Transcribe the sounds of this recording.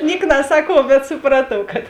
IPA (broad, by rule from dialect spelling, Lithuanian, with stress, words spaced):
ˈnʲiɛk nɐˈsɑːkuɔw bʲɛt sʊˈprɑːtuɔw kɐt